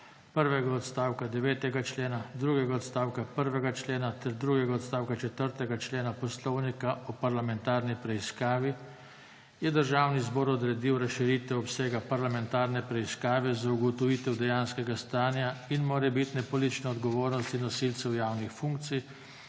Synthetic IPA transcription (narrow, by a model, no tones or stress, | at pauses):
pəɾʋɛɡaɔt̪st̪aːwkad̪ɛʋeːt̪ɛɡat͡ʃleːnad̪ɾuːɡɛɡaɔt̪st̪aːwkapəɾʋɛɡat͡ʃleːnat̪ɛɾd̪ɾuːɡɛɡaɔt̪st̪aːwkat͡ʃɛt̪əɾt̪ɛɡat͡ʃleːnapɔslɔwnikaɔpaɾlamɛnt̪aːɾnipɾɛiskaːʋi | jɛd̪əɾʒaːwnizbɔːɾɔd̪ɾɛd̪iwɾasʃiɾiːt̪ʋɛɔpseːɡapaɾlamɛnt̪aːɾnɛpɾɛiskaːʋɛzauɡɔt̪ɔʋiːt̪ɛwd̪ɛjaːnskɛɡast̪aːnjainmoːɾɛbit̪nɛpɔlit̪t͡ʃnɔɔd̪ɡɔʋoːɾnɔst̪inːɔsilt̪sɛwjaːwnixfuŋkt̪sij